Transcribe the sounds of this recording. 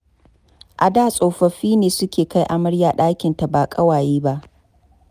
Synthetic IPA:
ʔa˨daː˨sʼoː˨ɸɐ˨ɸiː˦neː˨sʊ˦kʲeː˨ka˦jʔa˨mɐ˦ɽjaː˨ɗaː˦kʲɪ˨nta˨baː˨kʼɐ˦waː˨jiː˦ba˦ʔ

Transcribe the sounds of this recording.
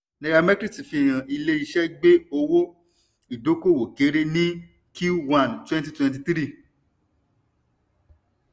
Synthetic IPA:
nɛ̃˨˧ɡa˧mɛ˦kɾi˦˨ti˨fĩ˧˨j̃ã˨ʔi˧le˧i˧ʃɛ˦ɡ͡be˦o˧wo˦ | i˨do˨˦ko˦˨wo˨ke˨˦ɾe˧nĩ˦ | ku˦wã˧˨ntwɛ̃˦n˦t̬i˧˦twɛ̃˧nt̬i˧t̪ɾi˦˨

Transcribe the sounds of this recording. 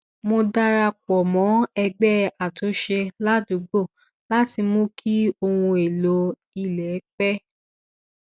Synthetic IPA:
mo˧da˦ɾa˧kɔ˨mɔ̃˨˦ɛ˧ɡ͡bɛ˦a˨to˨˦ʃe˧la˦du˨˦ɡ͡bo˦˨ | la˦ti˧mõ˦kʰi˦o˧wũ˧e˨lo˨˦ | i˧lɛ˨˦k͡pɛ˦

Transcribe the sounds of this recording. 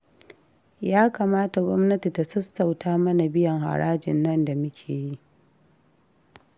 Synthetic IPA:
jaː˦kaː˨maː˦ta˨ɡʷɔ˦mnɐ˦ti˨ta˨sɐ˦sta˨wtaː˦mɐ˦na˨bɪ˦jɐ˨ŋha̰˨ɾaː˦d͡ʒɪ̰˨nːɐ˦nda˨mʊ˦kʲʰeː˨ji˦ʔ

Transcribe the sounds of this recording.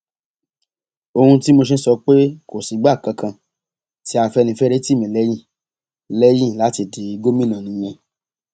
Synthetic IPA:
o˧hũ˧ti˦mo˧ʃ̬e˧˦sɔ˧k͡pe˦ko˨si˨˦ɡ͡ba˦˨kã˨˧kʰã˧ | ti˦a˧fɛ˧nĩ˧fɛ˦ɾe˦ti˦˨mĩ˨lɛ˨˦jĩ˦˨ | lɛ˦jĩ˦˨la˨˦ti˧˨di˨˦˧ɡo˦mĩ˦˨nã˨nĩ˨˦j̃ɛ̃˧

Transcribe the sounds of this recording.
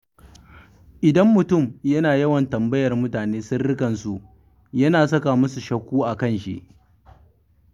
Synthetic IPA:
ʔɪ˨dɐ˦mːʊ˨tʊ˦˨mjɐ˦naː˨jɐ˦wɐ˨ntɐ˨mbɐ˦jɐ˨rmʊ˦taː˨neː˦sʊ˦nɽɪ˦kɐ˨nsu˦˨ʔ | jɐ˦naː˨sɐ˦ka˨mʊ˦su˨ʃɐ˦kʷuː˦ʔa˨kɐ˦˨nʃḭ˦ʔ

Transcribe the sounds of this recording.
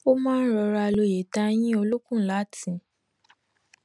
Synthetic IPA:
o˦mãː˦n̩˦ɾɔ˧ɾa˧lo˧˨je˨ta˦˧j̃ĩ˦o˧lu˦kũ˦˨˦la˨˦tĩ˨

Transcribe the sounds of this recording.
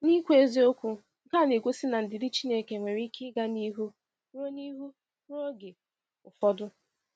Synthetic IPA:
ni˦kʷu˦e˦zi˦o˦kʷu˦ | ŋ̩˦ka˦˨ne˨ɡʷo˦sɪ˦na˨n̩˨dɪ˨dɪ˦t͡ʃi˦ne˦˨ke˨ŋʷe˨ɾi˦kɪ˦ɡa˦ni˦ɦu˦ | ɾo˦ni˦ɦu˦ | o˦ɡe˨ | ʊ˨fɔ˦dʊ˦

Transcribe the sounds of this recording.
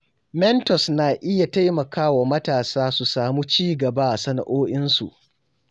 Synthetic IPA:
mɛ˦ntɔ˨snaː˨ʔɪ˦ja˨ta˦jmɐ˨kaː˦wa˨mɐ˦taː˨saː˦su˨saː˨muː˦t͡ʃiː˦ɡɐ˨ba˦ʔa˨sɐ˦na̰˨ʔoː˦ʔɪ˦nsṵ˨ʔ

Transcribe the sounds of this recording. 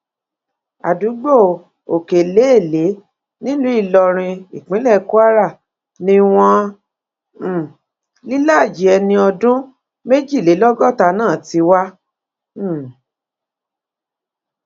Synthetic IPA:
a˨du˨˦ɡ͡bo˦˨ | o˨ke˨le˨˦e˦˨le˨˦ | nĩ˦lũ˦i˦˨lɔ˧ɾ̃ĩ˧i˨k͡pĩ˨˦lɛ˦˨˦ku˦a˦ɾa˦˨ | nĩ˧w̃ɔ̃˧˦˨ | li˦la˦˨d͡ʒi˨˦ɛ˧nĩ˧ɔ˧dũ˦ | me˦d͡ʒi˦˨le˨˦lɔ˦ɡɔ˦˨ta˧nãː˦˨ti˧wa˦˨

